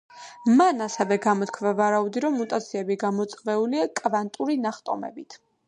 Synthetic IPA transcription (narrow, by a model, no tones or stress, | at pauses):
manasɛvɛɡamɔt̪kʰvavaɾaud̪iɾɔmːut̪ʼat̪sʰiɛbiɡamɔt̪sʼvɛuliakʼvant̪ʼuɾinaχt̪ʼɔmɛ̰bit̪ʰ